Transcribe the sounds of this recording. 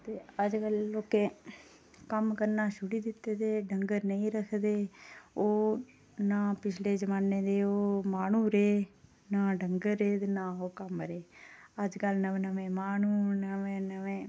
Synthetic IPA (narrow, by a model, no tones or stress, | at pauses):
t̪eːəd͡ʒkəlːoːkeː | kəmkəɾnaːʃʊɽiːd̪ɪt̪ːeːd̪eːɖəŋɡəɾnəĩːɾəkʰd̪eːoː | nãːpɪt͡ʃʰleːd͡ʒəmaːnẽːd̪eːoːmaːnũːɾeː | naːɖəŋɡəɾːeːd̪eːnãːoːkəmɾeːəd͡ʒkəlnəʋẽnəʋẽːmaːnũːnəʋẽːnəʋẽː